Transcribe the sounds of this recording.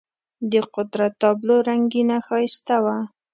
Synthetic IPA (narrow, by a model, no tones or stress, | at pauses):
d̪əqʊd̪ɾat̪ːɑbloɾaŋɡinaxɑjst̪awa